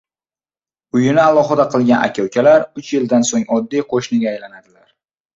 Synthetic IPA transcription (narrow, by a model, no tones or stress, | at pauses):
ʊjɪnɪalˠɒχɨd̪aqʰɨlˠɡʲanʔa̰kʲʰawkʲʰalaɾʊt͡ʃjɪld̪ansoŋɒd̪ːijqʰoʃnɪɡʲaːjlanad̪ɪlaɾ